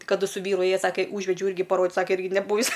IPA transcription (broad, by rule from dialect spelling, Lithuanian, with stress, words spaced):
kɐˈdʊ sʊ ˈʋʲiːrʊ ˈeːjɛ ˈsɑːkʲɛ ˈuːʒʲʋʲɛd͡ʒʲɛʊ ˈɪrʲɡʲɪ ɪr pɐroːdʲɪt ˈsɑːkʲɛ ˈɪrʲɡʲɪ nʲɛˈbuːʋʲɪs